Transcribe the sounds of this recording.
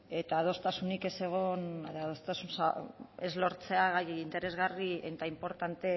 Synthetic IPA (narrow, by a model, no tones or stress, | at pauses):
e̞t̪aːðo̞st̪asunike̞se̞ɣ̞o̞neðaðost̪asunsae̞zlo̞ɾt͡se̞aɣajint̪e̞ɾe̞zɣarient̪aimpo̞ɾt̪ant̪e̞